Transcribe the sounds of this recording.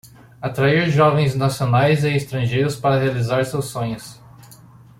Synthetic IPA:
at̪ɾaiɾʒɔvẽj̃znasionajzɪːst̪ɾɐ̃ʒejɾʊspaɾɐɦealizaɾsewsːõɲʊs

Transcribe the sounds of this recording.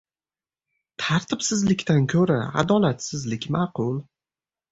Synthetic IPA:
t̪ʰaɾt̪ʰɪpsɪzlɪkʲt̪ankʲʰɵɾaa̰d̪ɒlat̪sɪzlɪkʲmɑqʊlˠ

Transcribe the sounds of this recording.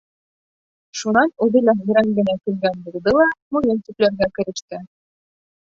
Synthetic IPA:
ʃunɑnʉðɘ̆læjɘ̆ɾæŋɡɘ̆nækɘ̆lɡænbulˠd̪ɤlˠɑmujɤnt̪iplæɾɡækɘ̆ɾɘ̆ʃt̪ɘ

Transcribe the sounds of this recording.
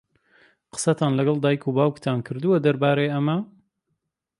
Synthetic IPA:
qə̥sɐt̪ʰaːnlɐɡɐlˠd̪aːjkʰubaːwkt̪ʰankʰɨɾd̪uwɐd̪ɐɾbaːɾejʔɐmɐ

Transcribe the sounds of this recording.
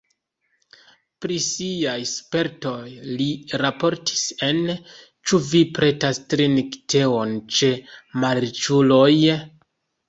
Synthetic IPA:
pɾisiajspe̞ɾto̞jliɾapo̞ɾtʰi̥se̞n | t͡ʃuvipɾe̞tastɾiniktʰe̞o̞nt͡ʃe̞maɾt͡ʃulo̞j

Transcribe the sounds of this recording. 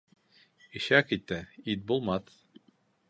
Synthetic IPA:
iɕækit̪ːɘid̪̚bulˠmɑθ

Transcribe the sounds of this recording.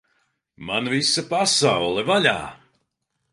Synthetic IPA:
manvisapasawlˠɛvalʲa̰ː

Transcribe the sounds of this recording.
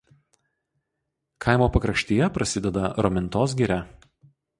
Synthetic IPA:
kʰɐˑɪmoːpɐkɾɐʃʲt̪ʲijɛpɾɐsʲɪd̪ʲɛd̪ɐɾɔmʲɪnt̪oːs̬ɡʲiɾʲæ

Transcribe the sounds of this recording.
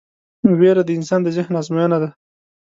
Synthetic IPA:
weɾad̪əɪnsɑnd̪əzəhnɑzmajɑnad̪a

